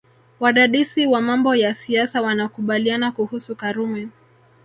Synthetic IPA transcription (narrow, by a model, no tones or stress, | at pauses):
waɗaɗisiwamambɔjasiasawanakuɓalianakuhusukaɾumɛ